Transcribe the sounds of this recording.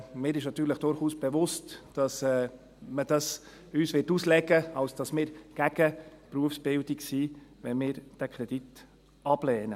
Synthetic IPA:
mɪːɾɪʃnɑt̪yːɾləχd̥ʊɾχuːsb̥eʋʊstd̥ɑsɛː | məd̥ɑs | yːsʋɪtuːslɛɡəɑlsd̥ɑsmɪːɾɡ̥æɡ̥əpɾuəfsb̥ɪldɪksiːʋɛnmɪːɾd̥ækʰɾɛd̥it | ɑb̥lɛːnə

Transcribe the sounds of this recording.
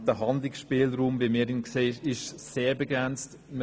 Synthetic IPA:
dəɦɑnd̪lɪksʃpiːlɾuːmviːmiːɾinkseːʃɪʃseːbəɡɾɛnt͡st | mə

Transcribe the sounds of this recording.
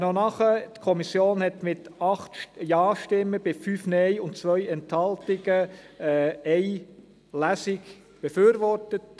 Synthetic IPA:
nɔnɑχət̪kʰɔmisjoːnhɛtmɪtɑχt̪jɑːʃtɪmːəb̥ɪfyːfnɛɪʊntt͡sʋœʏɛnthɑltɪɡə | ɛɪ | læsɪɡ | b̥eføːɾʋɔrtət

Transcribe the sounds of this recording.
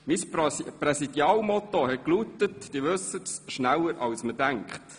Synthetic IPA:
misprɛsid̥jɑːlmɔt̪ohɛt̚klutətd̥iːʋɵsːətsʃnælːəɾʔɑwsmədæŋkχt

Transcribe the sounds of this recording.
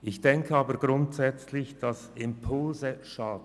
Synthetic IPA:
ɪçd̥ɛŋkʰəɑːbəɾɡʁʊntsɛt͡slɪçd̥ɑsɪmpʰʊlzəʃaːd̚n

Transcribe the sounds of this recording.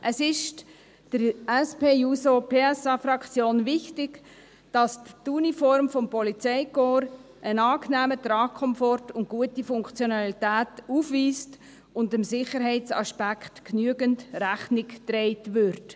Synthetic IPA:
ʔəsɪʃ | d̥əɾɛspeːjusopʰeːɛsɑfɾɑkʰt͡sjoːnvɪxtɪɡ | d̥ɑsttunifɔɾmfɔmpɔlit͡sɛɪkoːɾ | ʔənɑːknæːmətɾɑːkʰɔmfɔɾtʊntɡ̥uətifʊŋkt͡sjonɑlitæːtufʋiːst | ʊndəmsɪχəɾɦɛɪtt͡sɑ̰ʃpækχtknyəɡəntræχnɪktɾɛɪtʋʏɾt

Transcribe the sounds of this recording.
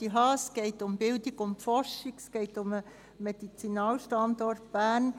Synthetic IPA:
iɦɑːsɡ̥ɛɪtʊmbɪldiɡʊmtfɔrʃikskɛɪtʊmə | mɛd̥it͡sinɑːlʃtɑndɔrtb̥æːn

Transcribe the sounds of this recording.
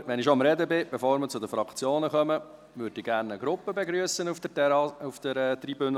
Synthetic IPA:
ʋɛnɪʃomɾɛd̪əbɪb̥ɛfoːɾmət͡sʊd̪əfɾɑkt͡sjoːnəχœmə | ʋʏɾd̥ɪɡ̥æːrnəɡɾʊpːəbeɡɾyəsənufd̥̪əufd̥̪əɾɛːt̪ribʏn

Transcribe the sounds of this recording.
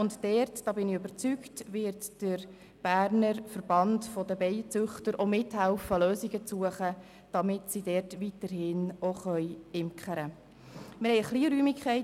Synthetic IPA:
ʊntd̥ɛrtd̥ɑːbɪnɪøbəɾt͡syktʋɪːɾtd̥əɾ | b̥æːɾnəɾfəɾb̥ɑntfɔdəbɛɪjt͡sʉχtəɾʔomɪthælfəløːsiɡət͡suəχə | d̥ɑmɪtsidɛːrtʋitəɾhɪnoχœjɪmkʰχəɾə | mɪɾhɛɪəχliːɾyːmikχɛɪ

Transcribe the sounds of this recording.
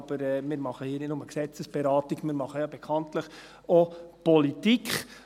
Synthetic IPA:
b̥əɾɛmɪːɾmɑχəhiːnɪtnʊməksɛt͡səsb̥ɛɾɑːtiɡ̥mɪːɾmɑχəjɑːbɛkʰɑntləχ | ɔpɔlitikχ

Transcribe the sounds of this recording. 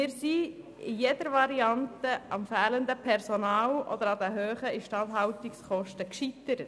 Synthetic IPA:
ɪːɾsi | ɪjɛd̪əɾʋɑɾiɑnt̪əʔɑmfæːlənd̪əpʰɛɾsonɑːlʔɔ̰d̪əɾɑd̪əɦøːχəɪʃtɑnt̪ɦɑwt̪ikskɔʃtəkʃit̪əɾət

